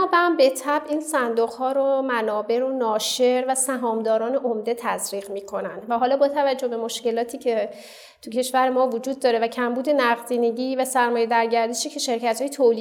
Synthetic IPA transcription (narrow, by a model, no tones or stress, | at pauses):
ɔːbæmbe̞t̪ʰæbʔiːnsænd̪oɣhɒːɾomænɒːbe̞ɾonɒːʃe̞ɾvæsæɦɒːmd̪ɒːɾɒːne̞ʔomd̪e̞t̪ʰæzɾiːɣmiːkʰo̞nænd̪væɦɒːlɒːbɒːt̪ʰævæd͡ʒːohbe̞mo̞ʃce̞lɒːt̪ʰiːcʰe̞ | t̪ʰucʰe̞ʃvæɾe̞mɒːvod͡ʒuːd̪̚ːɒːɾe̞væcʰæmbuːd̪e̞næʁd̪iːneɟiːvæsæɾmɒːje̞d̪æɾɟæɾd̪eʃiːcʰe̞ʃe̞ɾcæt̪hɒːjet̪ʰoli